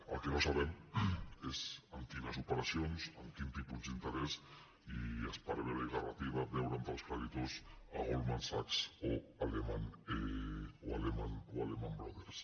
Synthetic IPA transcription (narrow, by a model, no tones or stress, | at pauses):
a̰lkenosaβem | esant̪iðasupeɾasjonsaŋk̪int̪ipuzd̪int̪eɾes | iaspaɾeβeβeɣarat̪iβadewɾant̪alskɾeɾit̪osa̰ɣolmansaksoalemaneoalemanoalemambɾoðeɾs